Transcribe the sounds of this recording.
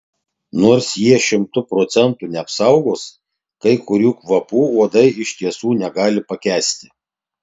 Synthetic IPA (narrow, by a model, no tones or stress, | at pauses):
noːɾsjiɛʃʲɪmt̪ʊpɾoːt̪sʲɛnt̪uːnʲɛɐpsɐʊɡoːs | kɐɪkʊɾʲuːkʋɐpuːuɔd̪ɐɪɪʃʲt̪ʲiɛsuːnʲɛɡɑːlʲɪpɐkʲæːsʲt̪ʲɪ